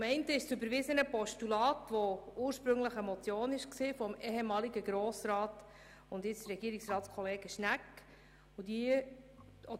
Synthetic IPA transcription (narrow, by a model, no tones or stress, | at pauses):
mɛɪntəɪʃsʏbəɾʋɪzənəpɔʃtulɑːtʋɔuːɾʃpɾʏŋləχɛmɔt͡sjoːnɪʃksiːfɔmɛːɦemɑːliɡəɡɾoːsɾɑːt | ʊndɪt͡sɾɛɡ̥iːɾiksrɑːtt͡skʰɔleːɡ̥əʃnækː | odiə | ɔ